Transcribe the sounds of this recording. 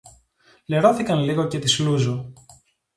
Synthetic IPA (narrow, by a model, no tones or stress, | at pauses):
le̞ɾoθikɐnliɣo̞ce̞t̪isluzo